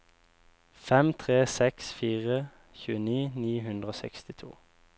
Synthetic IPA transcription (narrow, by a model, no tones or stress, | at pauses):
fɛmt̪ʰʁeːsɛksfiːʁə | çʉːəniːniːhʉnd̪ʁəoːsɛ̰kst̪ɪt̪ʰṵː